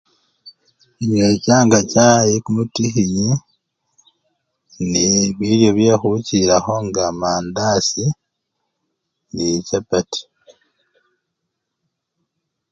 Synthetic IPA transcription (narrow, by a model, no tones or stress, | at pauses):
iɲwecaːŋɡacaːjikumutixiɲi | niβiɾjo̞βjaxuciɾaxo̞ŋɡamaːndaːsi | nicapati̥